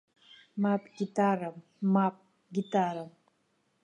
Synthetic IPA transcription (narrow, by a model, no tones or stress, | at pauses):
mapʼɡʲitʼaram | map̚ | ɡʲitʼaɾam